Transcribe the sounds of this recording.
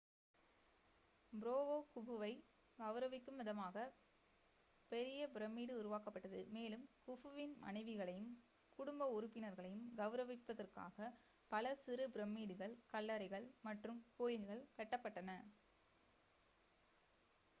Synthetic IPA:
bɪɾoːʋoːkʊʋɯʋɐɪ | ɡɐʋɾɐʋɪkːɯmɪðɐmaːɣɐ | pɛɾɪjɐbɪɾɐmːiːɽɯʊɾʊʋaːkɐpːɐʈːɐðɯ̰meːlɯmkʊʋɯʋɪnmɐ̰nɐɪʋɯɣɐɭɐjɯm | kʊɽʊmbɐʊɾʊpːɪnɐɾɣɐɭɐjɯmɡɐʋɯɾɐʋɪpːɐðɐrka̰ːɣɐ | pɐlɐsɪɾɯbɪɾɛmːiːɽɯɣɐɭkɐlːɐɾɐɪɣɐɭmɐʈrɯmkuːjɪlɣɐɭkɐʈːɐpːɐʈːɐnɐ

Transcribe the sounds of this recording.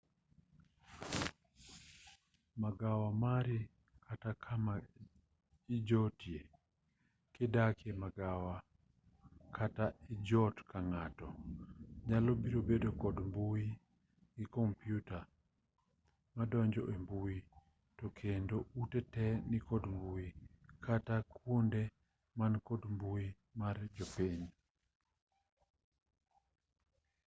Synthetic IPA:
maɡawamaɾi | kʰatakʰama | id͡ʒɔtje | kɪdakjemaɡawa | kʰataid͡ʒɔtkaŋatɔ | ɲalɔbiɾobedokɔdmbui | ɡɪkɔmpjuta | madɔɲd͡ʒɔʔembui | tɔkʰendoutɛtɛnikɔdmbuikʰatakwonde | mankɔdmbui | mard͡ʒɔpeɲ

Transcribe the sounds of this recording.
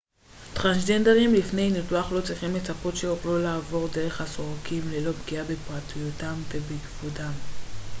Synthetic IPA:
t̪ʁansdendeʁimlifne̞jnituaχlo̞t͡sʁiχimlet͡sapo̞tʃeoχlolaːvo̞ʁde̞ʁe̞χhaso̞ʁakimlelo̞bɡiabepʁatujutamvebiɡvudam

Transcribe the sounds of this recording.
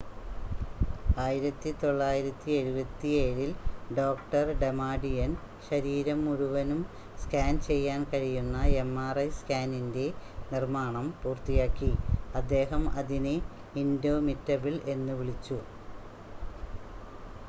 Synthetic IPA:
aːjiɾɐt̪ːit̪o̞ɭːaːjiɾɐt̪ːieɾubɐt̪ːieːɻilɖo̞ːkʈɐrɖe̞maːɖijɐn | ɕɐɾiːɾɐmːuɻuʋɐnum | skaːnt͡ɕe̞jːaːnkɐɻijunːɐe̞mːaːrɐjskaːninde̞nirmaːɳɐmpuːrt̪ijaːkːiɐd̪ːe̞ːɦɐmɐðine | indo̞ːmitːɐbile̞nːuʋiɭit͡ɕːu

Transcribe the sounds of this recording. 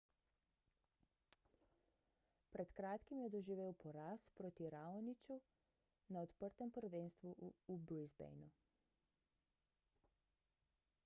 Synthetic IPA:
pɾɛt̪kɾaːt̪kimjɛd̪ɔʒiʋeːwpɔɾaːspɾoːt̪iɾaːɔnit͡ʃu | naɔt̪pəɾt̪ɛmpəɾʋenst̪ʋuːbujzbɛ̰jnu

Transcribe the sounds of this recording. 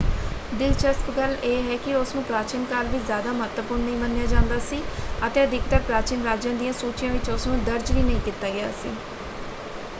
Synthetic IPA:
ɖɪlt͡ʃəskɡəleːɦɛːkɪʊsnũːpɾaːt͡ʃɪnkaːlʋiːzjaːd̪aːmʊɦət̪ʋəpʊːɾnːəɦĩːbənːjaːd͡ʒãːnd̪aːsiːət̪eːəd̪ɪkt̪aːpɾaːt͡ʃɪnɾaːd͡ʒjãːd̪ijãːsuːt͡ʃijãːʋɪt͡ʃʊsnũːd̪əɾd͡ʒʋiːnəɦĩːkit̪ːaːɡɪja̰ːsḭː

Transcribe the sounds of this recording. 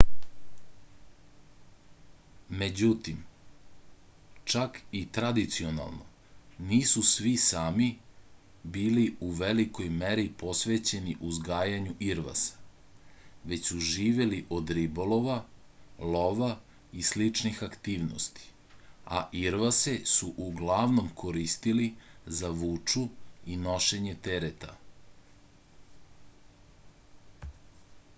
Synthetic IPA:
me̞d͡ʑut̪im | t͡ʃakit̪ɾad̪it̪sio̞na̰lˠno̞̰ | niːsusʋisaːmi | biːliuʋeliko̞jmeɾipo̞sʋe̞t͡ɕe̞niʔuzɡaːjaɲuʔiɾʋa̰sḁ | ʋe̞t͡ɕsuʒiːʋe̞liʔo̞d̪ɾibo̞lo̞ʋa | loʋa | islit͡ʃnixakt̪iːʋno̰st̪i̥ | a̰ʔiɾʋasesuʔuɡlaʋno̞mkʰoɾist̪ilizaʋuːt͡ʂuino̞ʃe̞ɲet̪eɾet̪a

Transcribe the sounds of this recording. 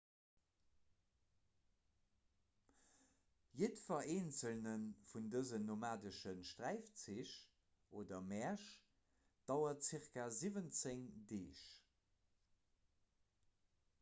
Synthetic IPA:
jətfɐeːnt͡səlnənfundəzənːomaːdəʃənʃtʁæɪft͡siʃ | ʔoːdɐmɛɐʃ | d̥ɑʊɐtt͡siʁkazivənt͡seŋdeːʃ

